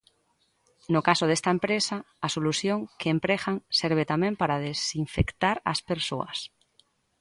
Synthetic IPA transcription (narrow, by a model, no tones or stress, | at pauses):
nokasoð̞est̪aempɾesa | asoluθjoŋkeːmpɾexaŋseɾβ̞et̪amempaɾaðesiɱfekt̪aɾa̰speɾso̰a̰s